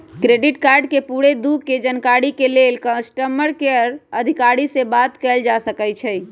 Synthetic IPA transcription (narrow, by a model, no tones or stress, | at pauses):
kɾeɖiʈkaɾɖkepuɽed̪uɡked͡ʒənkaɽikelelkə̃sʈəməɾkeəɾəd̪ʱikaɽisebat̪kɛld͡ʒasəkɛjt͡ʃʰɛj